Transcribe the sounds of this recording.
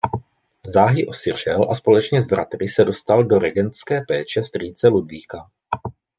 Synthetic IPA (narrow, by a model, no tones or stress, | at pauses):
zaːɦɪʔo̞sɪr̝ɛlʔaspo̞lɛt͡ʃɲɛzbɾat̪ɾɪsɛdo̞st̪aldo̞ɾɛɡɛnt͡skɛːpɛːt͡ʃɛst̪riːt͡sɛludviːka